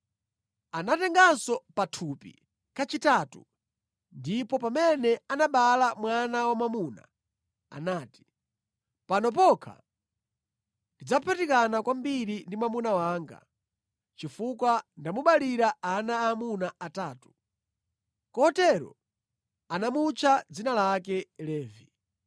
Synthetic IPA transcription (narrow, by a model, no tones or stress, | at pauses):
anatɛŋɡansɔpatʰupḭ | kat͡ʃitaːtu | ndipɔpamɛnɛanaɓalamwanawamamuna̰ | a̰naːti̥ | panɔpɔkʰa̰ | ndid͡zapʰatikanakwambiɾindimamunawaːŋɡa̰ | t͡ʃifukwandamuɓaliɾaanaːmunaataːtu̥ | kɔɔtɛɾɔ̰ | anamut͡ʃʰad͡zinalak̬ɛlɛːvi